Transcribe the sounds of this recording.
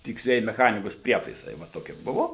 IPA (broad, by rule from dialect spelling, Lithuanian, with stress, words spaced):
tʲɪksʲˈlʲiɛjɪ mʲɛˈxɑːnʲɪkoːs ˈpʲrʲiɛtɐɪsɐɪ ʋɐ ˈtoːkʲiɛ ˈbʊʋoː